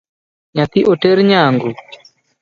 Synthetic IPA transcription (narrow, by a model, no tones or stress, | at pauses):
ɲat̪iʔɔʈeɾɲaːŋɡu